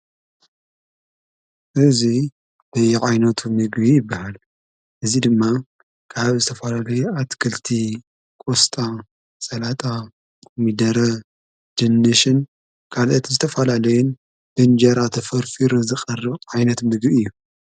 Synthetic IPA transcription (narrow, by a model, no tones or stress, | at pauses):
ʔɨzi | b̥ɐjɛʕajnɐt̪ʰumɨɡβijɪbːahal | ʔɨzid̪ɨmːa | kʰaβzɨt̪ʰɐfɐlalɐjuat̪kʰɐlt̪ʰi | kʼost̪ʼa | sʼɐlat̪ʼa | mid̪ɐɾɐ | d͡ʒɨnːɨʃɨn | kʰalʔɐt̪zɨt̪ʰɐfɐlalɐjun | b̥ɨnd͡ʒɐɾat̪ʰɐfɐɾfiɾɨzɨxʼɐrɨβʕajnɐt̪mɨɡbiɨjːu